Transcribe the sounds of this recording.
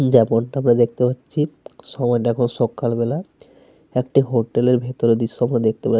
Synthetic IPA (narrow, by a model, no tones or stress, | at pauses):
d͡ʑɛmonʈaamɾad̪ek̚ʰt̪epatːɕʰiʃɔmɔeʈaɛkʰonʃɔkːalbela | ɛkʈiɦoʈeleɾbʱet̪oɾed̪iʃːoamɾad̪ek̚t̪epa